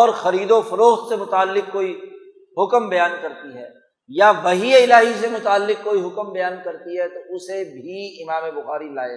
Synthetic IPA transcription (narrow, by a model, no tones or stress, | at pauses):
ɔːɾxɐɾiːd̪ofɐɾoːxt̪semʊt̪aːlːɪk̚koːi | ɦʊkəmbɐjaːnkɐɾt̪iɦɛ̰ː | jaʋɐɦieɪlaːɦis̬emʊt̪aːlːɪk̚koːiɦʊkəmbɐjaːnkɐɾt̪iɦɛt̪oʊsebʱiɪmaːmebʊxaːɾilaːe